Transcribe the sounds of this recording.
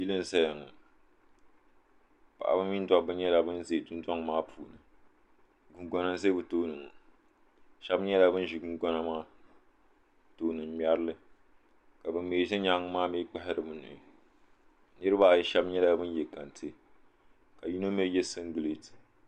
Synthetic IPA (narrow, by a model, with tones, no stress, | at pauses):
ji˦lɨ˦n˨zɛ˦ja˨ŋɨ˨ | pa̰˨ʔa̰˨bɨ˦mːi˦n˦da˦bɨ˦ɲɛ˦la˨bɨ˦n˦ze˨dʊ˦n˦da˦ŋ˨maː˦pʰuː˨nɨ˨ | ɡu˨ɡʷɔ˦na˦ze˦bɨ˨toː˦nɨ˨ŋ˨ | ʃɛ˦bɲɛ˦la˦bɨ˦n˦ʒi˨ɡu˦ɡɔ˦na˦maː˦ | to˦nɨ˨m˦mi˦a˦ɾlɨ˦ | ka˨bɨ˨m˦meː˨ʒɪ˦ɲa˦ŋ˦maː˦miː˦k͡pɛ˦hɪ˨˦ɾɨ˨bɨ˦nɨ̰˨ | nɨ˦ɾɨ˦ba˦˨jɛ˨˦ʃɛ˦bɲɛ˦la˦bɨ˦n˦jɛ˨ka˨ntʰe˦ | ka˨ji˦no˦mɛ˦jɛ˦sɨ˦ŋɡɨ˨le˦tɨ̥˨